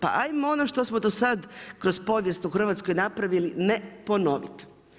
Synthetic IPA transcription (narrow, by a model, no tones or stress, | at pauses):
pa̰ʔajmoonoʃt̪osmod̪osad̪kɾo̞spo̞ʋjest̪uxr̩ʋat̪skojnapɾaʋilinepo̞no̞ʋḭt̪